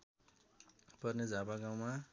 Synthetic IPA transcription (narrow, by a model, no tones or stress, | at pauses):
pʌrned͡zʱapaɡaw̃ma